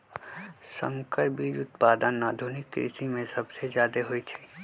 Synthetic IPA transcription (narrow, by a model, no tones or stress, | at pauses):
sə̰̃ŋkəɾbʱid͡ʒʊt̪paːd̪ənːaːd̪ʱunɪkːɾḭsimẽsɐbsezaːd̪eɦoit͡ʃʰɛ̥